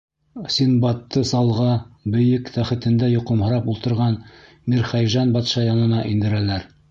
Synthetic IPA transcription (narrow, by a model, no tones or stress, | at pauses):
sinbɑt̪ːɤsɑlˠʁɑbɘ̆jɘkt̪ʰæχɘ̆t̪ɘ̆nd̪æjŏqɤmhɤ̆ɾɑpulˠt̪ɤ̆ɾʁɑn | miɾχæjʒɑnbɑt̪ʃɑjɑnɤ̆nɑʔind̪ɘ̆ɾælæɾ